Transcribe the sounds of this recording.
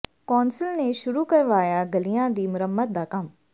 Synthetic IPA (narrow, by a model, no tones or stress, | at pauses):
kɔːnsɪlneʃʊɾukɐɾʋaːjaɡɐlijãd̪iːmʊɾəmːət̪̚d̪aːkɐm